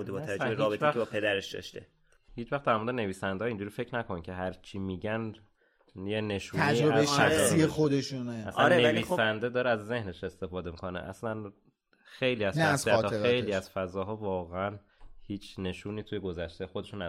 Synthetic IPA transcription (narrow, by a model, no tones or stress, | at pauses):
ud̪ebɒːt̪ʰææɾiɒːbet̪æxbɒpʰed̪æɾeʃd̪ɒ̰ʃt̪e | hiːt͡ʃʰvæxt̪̚d̪æɾmoɾd̪ene̞viːsænd̪eɒind͡ʒuːɾiːfecʰnækʰonicʰe̞ɦæɾt͡ʃʰiːmiːɟæn | jene̞ʃuioeʃæiexod̪eʃuneæsæɾneæviːsænd̪ed̪ɒːɾeæzːe̞hne̞ʃe̞st̪e̞fɒːd̪e̞mikʰo̞nḛʔæ̰slæn | xe̞jliːæzʃæsiæt̪ːɒejliːæz̥fæzɒːɦɒːvɒːɣeæn | hiːt͡ʃʰne̞ʃuːniːt̪ʰujeɡo̞zæʃt̪ejxod̪e̞ʃunː